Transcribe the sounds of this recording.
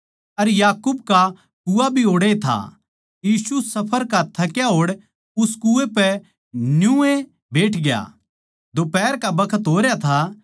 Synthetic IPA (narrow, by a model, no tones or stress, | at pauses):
ɐɾjaːkub̚ka | kuabʱioːɽet̪ʰa̰ | jiːsusɐpʰəɾkat̪ʰːakjaɦoːɽ | ʊskuepɛ | njũe | beːʈʰɡja̰ | d͡ʒoːpɛːɾkabɐkʰət̪ɦoːɾjat̪ʰa